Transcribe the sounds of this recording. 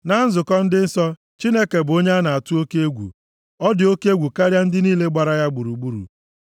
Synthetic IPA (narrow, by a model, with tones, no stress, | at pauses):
na˨˦n̩˦zʊ˨kɔ˦n̩˦dɪ˦n̩˦sɔ˦ | t͡ʃi˦ne˦ke˨bʊ˨o˦ɲ˦a˦na˨a˨tʊ˦o˦ke˦e˦ɡʷṵ˨ | ɔ˦dɪ˨o˦ke˦e˦ɡʷu˨ka˦ɾja˦n̩˦dɪ˦niː˦le˦ɡ͡ba˨ɾa˨ja˦ɡ͡bu˨ɾu˨ɡ͡bu˦ɾṵ˨